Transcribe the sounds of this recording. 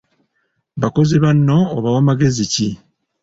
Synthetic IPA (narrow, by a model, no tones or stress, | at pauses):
βako̞ziβanːo̞ːβawamaɡe̞zici